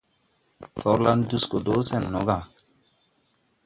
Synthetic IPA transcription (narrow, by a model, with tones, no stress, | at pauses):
fʰɔ˨˦ɾla˦ndu˦sko˨doː˦sɛ˨nːɔ˨˦ɡa˨